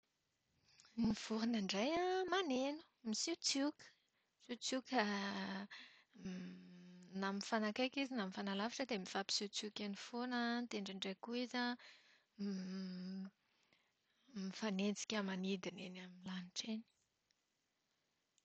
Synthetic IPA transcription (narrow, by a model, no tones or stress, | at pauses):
niv̥uɾanəɳɖ͡ʐajamanenu̥misiwt͡sukə̥ | sit͡sukə | naminfanakajkizinamifanalavaʈ͡ʂəd̪emiv̥api̥sit͡sukanifonənt̪eɳɖ͡ʐiɳɖ͡ʐejkuizə | mifanent͡si̥kʲəmanid̪inenaminlaniʈ͡ʂeni̥